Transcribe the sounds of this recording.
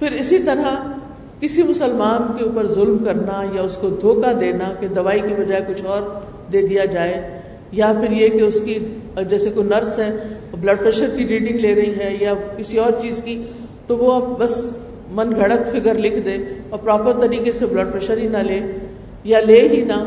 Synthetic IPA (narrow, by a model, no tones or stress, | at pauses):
fɪɾɪsit̪ɐɾa | kɪsimʊsəlmaːnkeuːpəɾzʊlmkɐɾnajaʊskod̪ʱoːkad̪eːnaked̪ɐʋaːikibɐd͡ʒaːekʊt͡ʃʰɔːɾ | d̪eːd̪ijad͡ʒaːe | japɪɾjekeʊski | d͡ʒɛːsekonɐɾsɦɛː | blɐɖ̚pɾɛʃəɾkiɾiːɖɪ̃ŋɡleːɾɐɦiɦɛjakɪsiɔːɾt͡ʃiːzki | t̪oʋoɐb̚bɐs | mɐnɡʱɐɽət̪fɪkəɾlɪkʰd̪ẽːɔːɾpɾaːpəɾt̪ɐɾiːkeseblɐɖ̚pɾɛʃəɾɦinaleː | jaleːɦina